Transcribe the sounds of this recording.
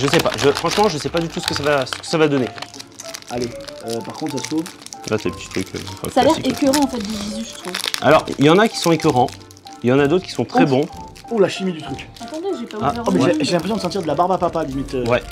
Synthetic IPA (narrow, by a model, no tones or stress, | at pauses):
ʒəsɛpa̰ʒəfχɑ̃ʃmɑ̃ʒəsɛpad̪yt̪usə̥kəsavasə̥kə̥savad̪ɔne | aleøpaʁkɔ̃t̪χsasə̥pozlat̪yelpət̪i̥t̪χykʰø̰̃fɛ̰̃salɛʁiekʲyʁɑ̃ɑ̃fɛt̪̚d̪evizyʒət̪χuva̰lɔʁiljɑ̃nakʲi̥sɔ̃ekʲyʁɑ̃ | iljɑ̃nad̪ot̪χəkʰʲisɔ̃t̪χɛbɔ̃ | ulaʃimid̪yt̪χyk | ɑ̃t̪ɑ̃d̪yʒepaamɛɛeʒelɛ̃pχesjɔ̃d̪əst̪̬iʁd̪əlabaʁbapapalimit̪øwɛ